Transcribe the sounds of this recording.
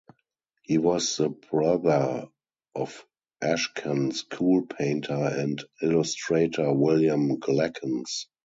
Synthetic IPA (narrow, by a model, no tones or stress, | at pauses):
hiːwɔsðəbɹaðə˞ | ʔɔf | ʔæʃkʰə̃nskʰuːlpʰẽɪ̃ntʰə˞ɛ̃ntɪlʊstɹeɪtʰə˞wɪljə̃mɡlækʰə̃ns